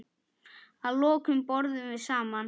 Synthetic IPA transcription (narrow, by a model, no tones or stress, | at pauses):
aðlɔːkʏmpɔɾðʏmvɪðsaːman